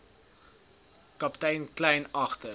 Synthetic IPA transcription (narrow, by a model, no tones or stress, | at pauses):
kɐptɛjnklɛjnɐχtə